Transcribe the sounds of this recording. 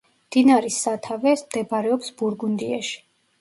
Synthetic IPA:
md̪̥inaɾisːat̪ʰavɛsmd̪̥ɛbaɾɛɔpsbuɾɡund̪iaʃi̥

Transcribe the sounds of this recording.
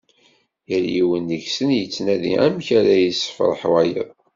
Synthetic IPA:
jəljiwənːəçsənjət͡sːnæðḭæmçæɾæjəsːə̥fɾˤəħwæjə̰ðˤ

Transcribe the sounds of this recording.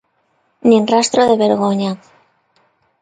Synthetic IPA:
ninrast̪ɾoðe̞βe̞ɾɣo̞ɲa

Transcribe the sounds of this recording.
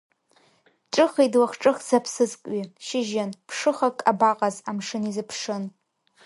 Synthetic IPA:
ʈ͡ʂʼɨχidwaχʈ͡ʂʼɨχzapʰsɨzkʷʼɥiʃɪʒanpʰʂɨχakʼabaqʼazamʂɨnizɨpʰʂɨn

